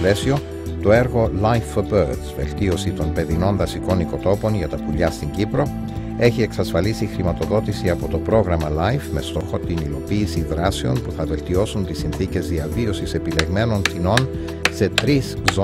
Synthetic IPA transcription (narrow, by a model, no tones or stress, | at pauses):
le̞sio̞ | t̪o̞e̞ɾɣo̞lɐjfobøɾd̪zve̞̰lt̪io̞sit̪o̞npe̞ðino̞nðɐsiko̞niko̞t̪o̞po̞nʝɐt̪ɐpuʎɐst̪iɲɟipɾo̞ | e̞çie̞ksɐsfɐlisixɾimɐt̪o̞ðo̞t̪isiɐpo̞t̪o̞pɾo̞ɣɾɐmɐlɐjfme̞st̪o̞xo̞t̪inilo̞piːsiðɾɐseo̞npuθɐve̞lt̪io̞sunt̪isinθice̞zðiɐvio̞sise̞pile̞ɣme̞no̞nθino̞n | se̞t̪ɾiszo